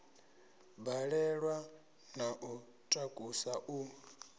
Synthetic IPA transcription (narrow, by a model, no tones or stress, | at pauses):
baɺɛɺwa | naʔu | tʼakʼusaʔu